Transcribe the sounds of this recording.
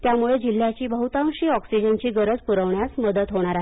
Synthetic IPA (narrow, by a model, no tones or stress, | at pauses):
t̪jamuɭed͡ʑil̤ːjat͡ɕiːbəɦut̪ãwʂiːɔksid͡ʑənt͡ɕiːɡəɾəd͡zpuɾəʋɳjasməd̪ət̪ɦoɽ̃aɾaɦe